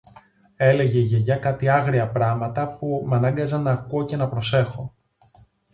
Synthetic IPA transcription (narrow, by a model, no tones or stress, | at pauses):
e̞le̞ʝe̞iʝe̞ʝɐkɐt̪iɐɣɾiɐpɾɐmɐt̪ɐpumɐnɐŋɡɐzɐnɐkoce̞nɐpɾo̞se̞xo̞